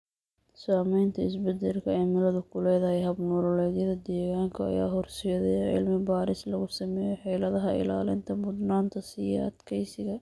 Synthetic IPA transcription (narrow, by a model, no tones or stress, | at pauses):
saːmɛjnt̪ʰɐɪsbɛd̪ɐlkʰɐɛjmɪlɐðʊkʰʊlɛjðɐɦɛjɦɐbnuːɾɔlɛːðjɐðɐd̪ɛːɣaːŋkʰɐɐ̰ja̰ːɦɔrsɪðɛjʕɪ̰lmɪbaːɾɪslɐɣʊsɐmɛːjɔħɛːlɐðɐɦɐɪ̰la̰ːlɪ̰nt̪ʰɐbʊd̪naːnt̪ʰɐsɪjɐ̰ɐ̰d̪kʰɛjsɪɣɐ